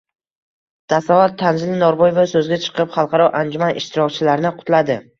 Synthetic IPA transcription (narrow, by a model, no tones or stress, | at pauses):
t̪ʰasaat̪ʰːanzɪlɪnɒɾbɒjvasɵzɡʲat͡ʃʰɨ̥qʰɨpχɑlˠqʰɑɾɒʔand͡ʒʊmanɪʃt̪ɪɾɒkʲt͡ʃʰɪlaɾnɪqʰʊt̪lad̪ɪ